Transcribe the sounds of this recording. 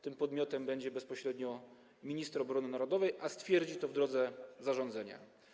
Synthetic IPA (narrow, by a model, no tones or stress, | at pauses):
t̪ɘmpɔd̪mʲɔt̪ɛmbɛɲd͡ʑɛbɛspɔɕɾɛd̪ɲɔ | mʲiɲist̪ɾɔbɾɔnɘnaɾɔd̪ɔvɛjʔast̪fʲjɛɾd͡ʑit̪ɔvd̪ɾɔd̪zɛzaʐɔ̃nd̪zɛɲa̰